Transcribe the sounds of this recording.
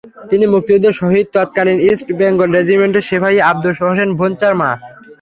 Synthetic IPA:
t̪inimuk̚t̪iud̪eɾʃɔɦid̪̚t̪at̪̚kalinisʈbɛŋɡolɾed͡ʑimeɳʈeʃepʰaɦieab̚d̪ulʃoɦoʃ̬enbʱont͡ɕaɾma

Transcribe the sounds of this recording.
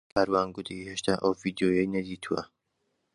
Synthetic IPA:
kʰaːɾwaːnɡʊd̪ʰiheʃt̪ʰaːʔɐwvid̪joːjɛjnɐd̪iːt̪ʰuwɐ̰

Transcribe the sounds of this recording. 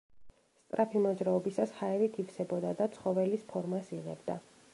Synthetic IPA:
st̪ʼɾʔapʰimɔd͡ʒɾaɔbisashaɛɾik̪ʰift̪sʰɛbɔd̪ad̪at̪sʰχɔvɛlispʰɔɾmasiʁɛ̰bd̪a̰

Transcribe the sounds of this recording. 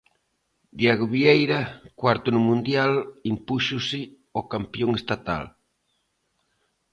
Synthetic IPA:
d̪jeɣoβiejɾakwaɾt̪ʊnumũnd̪jalimpuʃusɪ | okampjoŋest̪at̪a̰l

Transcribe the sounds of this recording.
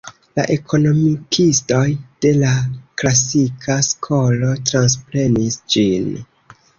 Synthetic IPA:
la̰ʔe̞kʰo̞no̞mikʰisto̞jd̥e̞laklasikʰaskʰo̞lo̞tɾanspɾe̞nisd͡ʒin

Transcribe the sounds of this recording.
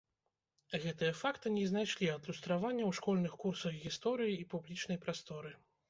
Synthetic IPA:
ɣɛt̪ɨjɐfakt̪ɨnʲɛznajʂlʲiɐd̪lʲust̪ɾavanʲːɐwʂkɔlʲnɨxkursɐɣɣʲist̪ɔɾɨjiːpublʲit͡ʂnɐjpɾast̪ɔɾɨ

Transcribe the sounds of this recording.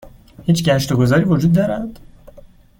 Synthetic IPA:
hiːt͡ʃʰɟæʃt̪oɡo̞zɒːɾiːvod͡ʒuːd̪̚ːɒːɾæd̪̥

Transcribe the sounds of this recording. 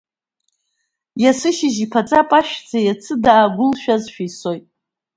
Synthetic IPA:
jasɨʃɪʒipʰat͡sʼapʼaʃᶣd͡zajat͡sʰɨdaːɡʷʊlʃᶣazʃᶣajso̞jtʼ

